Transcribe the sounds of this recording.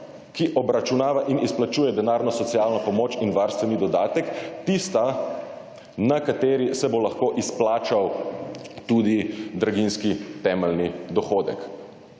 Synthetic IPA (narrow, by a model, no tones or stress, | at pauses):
kiʔɔbɾat͡ʃunaːʋaʔinisplat͡ʃuːjɛd̪ɛnaːɾnɔsɔt̪sijaːlnɔpɔmoːt͡ʃinʋaɾst̪ʋɛnid̪ɔd̪aːt̪ɛkt̪ist̪a | nakat̪eːɾisɛbolaxkoʔisplaːt͡ʃaw | t̪uːd̪id̪ɾaɡinskit̪ɛːmɛlnid̪ɔxoːd̪ɛ̰k